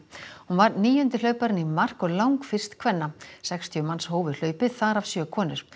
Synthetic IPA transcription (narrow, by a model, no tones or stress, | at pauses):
hunvaɾniːjʏnt̪ɪlœːɥpaɾɪnimar̥kɔɣlawŋkfɪr̥st̪kʰvɛnːasɛkst̪ʰjʏmanshoːwvɪðl̥œːɥpɪθaɾav̥sjœːkʰɔːnʏɾ̥